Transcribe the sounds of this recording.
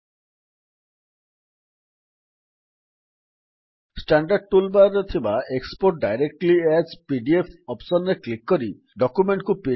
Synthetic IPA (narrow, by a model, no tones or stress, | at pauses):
sʈaɳɖaɾɖ̚ʈulbaɾɔt̪ʰibaekspoɾʈ̚ɖajɾek̚ʈliespiɖiepʰɔpsɔnɾeklikːɔɾi | ɖɔkumeɳʈkupi